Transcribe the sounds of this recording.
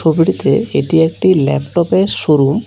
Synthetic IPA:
obiɽit̪ḛeʈiek̚ʈilɛ̰pʈɔpeʃoɾum

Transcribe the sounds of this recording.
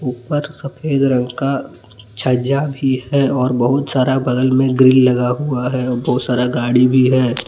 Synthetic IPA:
uːpəɾsɐpʰeːd̪ɾə̃ŋɡka | t͡ʃʰaːd͡ʒabʱiɦɛɔːɾbəɦʊt̪saːɾabɐd̪əlmẽɡɾɪllɐɡaɦuaɦɛɔːɾbɐɦʊt̪saːɾaɡaːɽibʱiɦɛː

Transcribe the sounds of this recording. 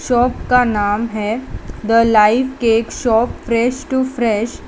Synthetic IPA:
ʃɔːpkanaːmɦɛd̪əlaifkeːkɕɔpfɾɛʃʈufɾɛɕ

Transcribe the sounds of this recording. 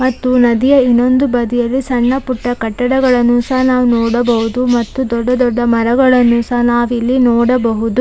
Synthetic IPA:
mɐt̪ːunɐd̪ijɐinːo̞nd̪ubɐd̪ijɐlːisɐɳːɐpuʈːɐkɐʈːɐɽɐɡɐɭɐnːusɐɦnaːʋunɔːɽɐbɐɦud̪umɐt̪ːud̪ɔɖːɐd̪ɔɖːɐmɐɾɐɡɐɭɐnːusɐɦnaːʋilːinɔːɽɐbɐɦud̪u

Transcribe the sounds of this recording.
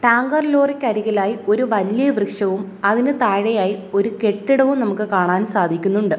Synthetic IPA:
ʈaːŋɡɐrlo̞ːrikʲːɐɾiɣɐlaːjio̞ɾuʋɐlijɐʋrɨkʂɐʋum | ɐðinɨt̪aːɻɐjaːjio̞ɾuke̞ʈːiɽɐʋumnɐmukːɨkaːɳaːnsaːd̪ʱikʲːunːuɳɖɨ

